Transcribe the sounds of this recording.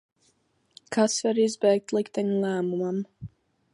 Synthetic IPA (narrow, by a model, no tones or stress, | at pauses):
kʰasvaɾizbɛjk̚t̪lˠikt̪aɲulˠæːmumam